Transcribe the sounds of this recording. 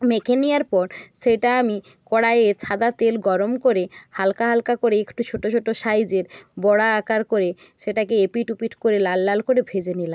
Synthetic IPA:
mekʰenijaɾpɔɾʃeʈaami | kɔɽaeet͡ɕʰad̪at̪elɡɔɾomkoɾehalkaɦalkakoɾeekʈut͡ɕʰoʈot͡ɕʰoʈoʃajd͡ʑeɾbɔɽaakaɾkoɾe | ʃeʈakeepiʈupiʈkoɾelalːalkoɾebʱed͡ʑenilam

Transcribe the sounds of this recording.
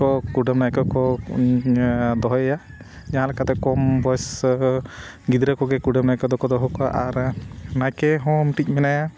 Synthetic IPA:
ɔkuɖamnajkɔkɔ | d̪ɔɦɔja | d͡ʒaɦãlɛkat̪ɛkɔmbɔjs | ɡid̪ɾəkɔɡɛkuɖamnajkɔd̪ɔkɔd̪ɔɦɔkɔa̰ʔaɾnajkɛɦɔmʈic̚ˀmɛnaja

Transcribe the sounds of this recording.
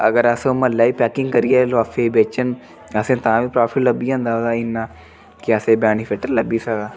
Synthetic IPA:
ɐ̰ɡəɾasõmɐlaːipɛːkɪ̃ŋɡkəɾijaːlaːfʰebeːt͡ʃən | ɐsẽːt̪ãːbipɾaːfʰɪʈləbiãnd̪aːod̪aɪnːaː | kiasẽbɛːnipʰeːʈəɾləbisad̪aː

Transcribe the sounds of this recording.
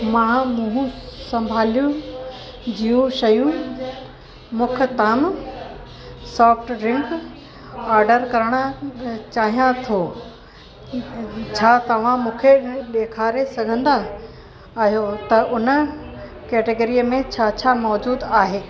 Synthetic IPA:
mãːmũːɦũsɐ̃mbʱaːljũ | d͡ʑiːjũʃɐjũ | mʊkʰɪt̪ɐm | sɔːfʈɾɪ̃ŋk | aːɾɖəɾkɐɾəɽ̃ət͡ɕaːɦijãt̪ʰo | t͡ɕʰaːt̪ɐʋ̤ãmũːkʰeɗ̪eːkʰaːɾesɐɡʱə̃nd̪aː | ɦijot̪ɐʔʊnə | keːʈeɡəɾiəmẽt͡ɕʰaːt͡ɕʰaːmɔːd͡ʑuːd̪aːɦeː

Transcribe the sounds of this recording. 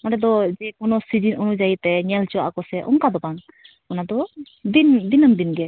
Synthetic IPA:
ɔɾɛd̪ɔd͡ʒɛkunɔsid͡ʒinunud͡ʒait̪ɛɲɛlt͡ʃuwa̰ʔkɔsɛʔɔ̰ŋkad̪ɔbaŋ | ɔnad̪ɔ | d̪ind̪inəmd̪inɡɛ

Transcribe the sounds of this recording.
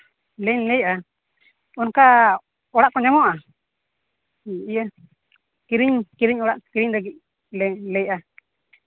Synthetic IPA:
lɛɲlɛjʔa | ɔnka | ɔɽaʔkɔɲamɔʔa | ʔijə | kiɾiɲkiɾiɲɔɽaʔkiɾiɲɾaɡic̚ | lɛɲlɛjʔa

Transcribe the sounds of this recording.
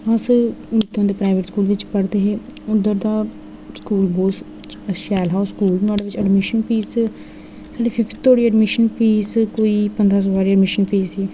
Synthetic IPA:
əsmɪt̪ːõːd̪eːpɾaːɪʋeːʈskuːlʋɪt͡ʃpəɽd̪eːɦeːʊd̪əɾd̪aː | skuːlboːs | t͡ʃəʃɛːlɦaːskuːlnaːɖeːʋɪt͡ʃəɖmɪʃənpʰiːz | saːɖiːpʰɪfʰt̪t̪ːoːɽiːəɖmɪʃənpʰiːskoːiːpənd̪ɾaːs̬oːʋaːɾiːəɖmɪʃənpʰeːziː

